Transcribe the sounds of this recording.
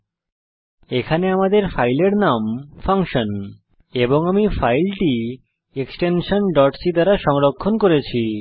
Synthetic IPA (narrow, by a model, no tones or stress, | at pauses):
ekʰaneamad̪eɾfajleɾnamfaŋʃon | eboŋamifajlʈi | eksʈenʃonɖɔʈsid̪aɾaʃɔŋɾokʰːonkoɾet͡ɕʰi